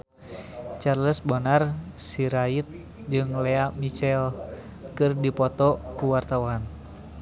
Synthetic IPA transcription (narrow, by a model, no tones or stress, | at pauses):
t͡ʃarləsbɔnarsiɾait̪̚ | d͡ʒɨŋlɛamit͡ʃɛl | kɨrdipɔt̪ɔkuwart̪awan